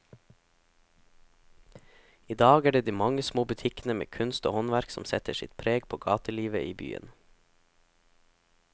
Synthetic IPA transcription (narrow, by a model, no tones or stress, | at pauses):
iːd̪ɑːɡæːɖeːd̪iːmɑŋəsmoːbʉt̪ʰɪknəmḛːkʰʉnst̪o̰ːhɔnʋæɾksɔ̰msɛt̪əʃɪ̰t̪pʰɾeːɡpʰoːɡɑ̰ːt̪əliːʋəʔiːby̰ːə̰n